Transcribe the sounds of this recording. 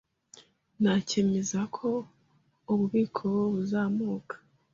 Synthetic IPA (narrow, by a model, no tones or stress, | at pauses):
nacemezakʰo̞ | oβuβiːkʰo̞woβuzaːmuːkʰḁ